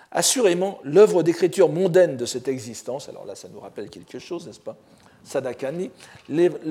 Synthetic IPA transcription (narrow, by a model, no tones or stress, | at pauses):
a̰syʁemɑ̃lœvʁəd̪ekχit̪yʁmɔ̃d̪ɛnd̪əsɛt̪ɛɡzist̪ɑ̃sa̰lɔ̰ʁla̰sanuʁapɛlkʲɛlkəʃoznɛspa | sad̪akanile